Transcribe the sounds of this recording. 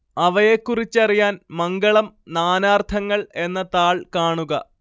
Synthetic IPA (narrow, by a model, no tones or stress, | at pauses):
ɐʋɐjekːurit͡ɕːɐrijaːnmɐŋɡɐɭɐmnaːnaːrt̪ʰɐŋːɐɭe̞nːɐt̪aːɭkaːɳuɣɐ̰